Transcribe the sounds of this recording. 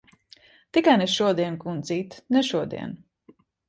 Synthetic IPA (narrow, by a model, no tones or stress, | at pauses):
t̪ikajnɛʃuɔd̪iɛnkunziːt̪nɛʃuɔd̪ḭɛn